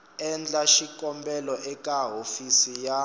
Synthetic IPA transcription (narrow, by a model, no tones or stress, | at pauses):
ɛnd͡ɮaʃikʼɔmbɛlɔʔɛkʼaɦofisija